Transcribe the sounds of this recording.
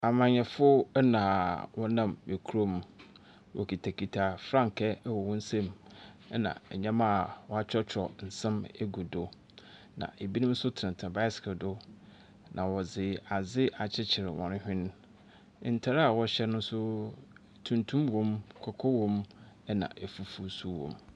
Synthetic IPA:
a˨mã˨ɲɛ̃˨fʊ˦nã˨wʔɔ˦nã˨me˨kʰu˦ɾo˦m˦ | wʔɔ̰˨kʰi˨tʰa˨kʰi˨tʰa˨fɾã˦˨ŋkʰɛ˦wɔ˨wɔ̃˦n̩˦sɛ̃˦˨m˦ | nã̰˨ɛ˨ɲɛ̃˦ma˦˨wɔ˦˨a˦t͡ɕʰᶣɔ˦t͡ɕʰɾɔ˨n̩˨sɛ̃˦mɛ˦ɡu˨do˨ | nã̰˨ʔe˨bi˦nʊ̃˦sʊ˦tʰɪ˨nɪ̃˨tʰã˨ba˦ɪ˦skʰɪ˨dʊ˦ | nʔã̰˨wɔ˨d͡zɪ˨a˨d͡zɪ˦a˨t͡ɕʰɪ˦t͡ɕʰɪ˨ɾɪ˨wɔ̰̃˨nʊ̃˦hᶣɪ̃˦ñ˦˨ | n̩˨tʰa˦ɾa˨wɔ˦ɕɛ˦nʊ̃˦sʊ˦ | tʰũ˨ntʰũ˦mwɔ̃˦mkʰɔ˨kʰɔ˦wɔ̃˦m | ɛ˦nã̰˨ʔɛ˨fu˦fu˦su˦wɔ̰̃˨m

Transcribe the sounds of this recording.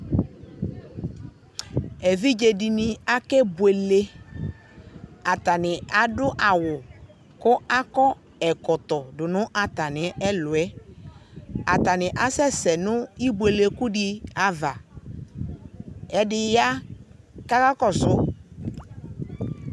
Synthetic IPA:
ɛ˨vi˦d͡ʒe˨dɪ˨nɪ̃˨a˦kɛ˦bwe˨le˦ | a˨t̪a˨nɪ̃˨a˨dʊ˦ʔa˨wʊ˨ | kʊ˦a˦kɔ˦ | ɛ˨kɔ˨t̪ɔ˨dʊ˨nʊ̃˦ʔa˨t̪a˨nɪ̃˨˦ɛ˦lʊ˨ɛ˦ | a˨t̪a˨nɪ̃˨ʔa˦sɛ˦sɛ˨nʊ̃˦i˦bwe˨le˨kʊ˦ɖɪ˦a˨va˨ | ɛ˦dɪ˦ja˦ | ka˦ka˦kɔ˦sʊ˦

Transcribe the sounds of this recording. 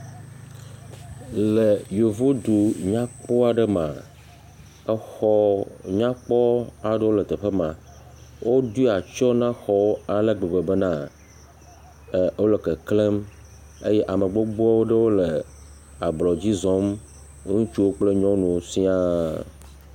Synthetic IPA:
le˨jo˨vo˦d̪u˨ɲã˦k͡pɔ˦a˨ɖə˦mã̰˨ | ɛ˦xɔ˦ɲã˦k͡pɔ˦a˨ɖe˦wo˦lə˨t̪e˨ɸe˦mã˨ | wʔo˦d̪u˦a˨t͡ʃɔ˦nã˦xɔ˦wo˦a˨le˦˨ɡ͡be˨ɡ͡be˨be˦nã˦˨ | wo˦le˨ke˨kle˦m | ḛ˦jɛ˦ʔa˨mə̃˨ɡ͡bo˦ɡ͡ba˦wo˦ɖə˦wo˦le˨ | a˨blɔ˨d͡ʑi˦zɔ˦m˦ | ŋũ˦t͡ʃu˦wo˦k͡ple˦ɲɔ̃˦nũ˨si˦a˦

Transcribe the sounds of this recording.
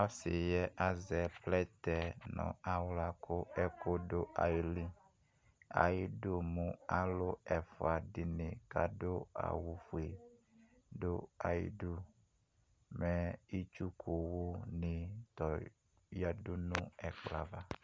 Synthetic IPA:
a˦si˨jɛ˦ʔa˨zɛ˨plɛ˦t̪ɛ˨nɔ̰̃˨a˨wla˨ko˦ɛ˦ko˦ɖo˦a̰˨ji˦li˦ | a̰˨ji˦do˦mũ˦a˦lo˦ɛ˨fo˨a˨ɖi˨nĩ˨ka̰˦do˦a̰˨wu˨fu˨e˨ | ɖo˦a˨jḭ˦ɖu˦ | mɛ˦i˦t͡ʃu˦kʰo˨wo˦nĩ˨t̪ɔ˨ | ja˦ɖu˦nũ˦ɛ˨k͡pla˨va˦

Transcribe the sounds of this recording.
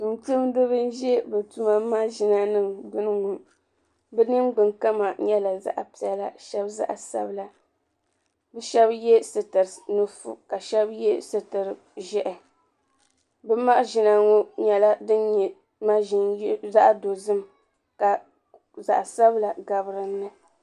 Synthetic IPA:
n̩˨tɨ˦mdo˦bɨ˦n̩˦ʒɛ˦bɛ˨tu˦ma˦ma˦ʒɪ˨na˦nɨ˦mɡ͡bɨ˦n˦ŋʊ˨n | bɛ˦nɨ˦nɡ͡bɨ˨nka˦ma˨ɲɛ˦la˨za̰˦ʔpi˨ɛ˦la˦ʃɛ˦bza̰˦ʔsa̰˦bla˨ | bɛ˦ʃɛ˦bjɛ˦sɨ˨tɨ˨ɾnu˦fṵ˨ka˨ʃɛ˦bjɛ˦sɨ˨tɨ˨ɾɨ˨ | ʒɛ˦ʔɛ˨ | bɛ˦ma˦ʔʒi˨na˦ŋo˦ɲɛ˨la˦dɨ˦nɲɛ˨ | ma˦ʒi˨n˦za˦ʔdo˨zɨ˦m | ka˨ | za̰˨ʔsa˦bla˨ɡa˨bɾɨ˨nːɨ˦

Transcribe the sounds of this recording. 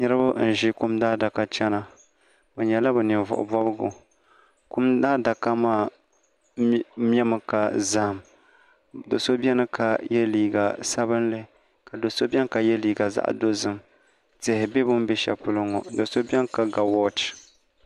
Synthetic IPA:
ɲɛ˦ɾɨ˦bʊ˦n̩˨ʒi˦ku˦mdaː˦da˨ka˦t͡ʃɛ˦na˨ | bɛ˨ɲɛ˨la˦bɛ˨nɪ˨vʊ̰˨ʔʊ̰˨bɔ˦bɨ˦ɡʊ̰˨ | ku˦mdaː˦da˨ka˦maː˦˨ | m˦ɛ˦mɨ˨ka˨za˨m | do˨so˦bʲɛ˦nɨ˦kʰa˨jɛ˦liː˨ɡa˨sa˦bɨ˦nlɨ˦ | ka˨do˨so˦bʲɛ˦nka˨jɛ˦liː˨ɡa˨za̰˦ʔdo˦zɨ˦m | tɪ˨hɪ˨bɛ˦bʊ˦m˦bɛ˦ʃɛ̰˨pʊ˨lɨ˦ŋɔ˨do˨so˦bʲɛ˦n˦ka˨ɡa˨wɔ˦t͡ʃ

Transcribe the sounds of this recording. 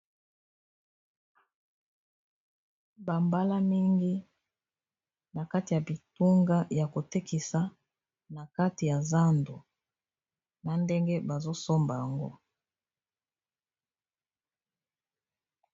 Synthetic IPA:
ba˨mba˦la˦mi˦ŋɡi˦ | na˨ka˦ti˨ja˨bi˨tu˦ŋɡa˦ja˨ko˨tɛ˦ki˨sa˨ | na˨ka˦ti˨ja˨za˦ndo˨ | na˨nde˦ŋɡe˦ba˨zo˦so˦mba˨ja˨ŋɡo̰˦

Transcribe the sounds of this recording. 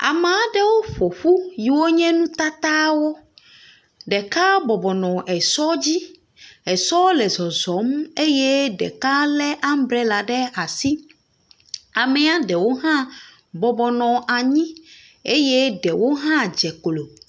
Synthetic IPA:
a̰˨me˨a˨ɖɛ˦wo˦ɸo˨ɸu˦ji˨wo˦ɲɛ̃˦nũ˦t̪a˦t̪a˦wo˦ | ɖɛ˨ka˦bɔ˨bɔ˨nɔ̃˨ɛ˨sɔ˦d͡ʑi˦ | ɛ˨sɔ˦lɛ˨zɔ˨zɔ˨˦me˦je˦ɖɛ̰˨ka˦lɛ˦ʔa˦m˦bɾɛ˦la˨ɖɛ˦a˨si˦ | a˨mɛ˨a˦ɖɛ˨wo˦ɦã˦ | bɔ˨bɔ˨nɔ̃˨ʔa˨ɲĩ˦ | e˦je˦ɖɛ˨wo˦ɦã˦d͡ʒɛ˨klo˨

